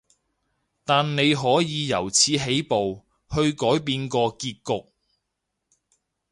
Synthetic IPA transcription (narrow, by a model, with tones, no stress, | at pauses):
t̪aː˨nne˨˧jɦɔː˨˥jiː˨˧jɐ˨˩wt͡sʰiː˨˧ɦe˨˥jpo˨w | hɵ˧ɥkɔː˨˥jpiː˧nkɔː˧kiː˧t̚kʊ˨k̚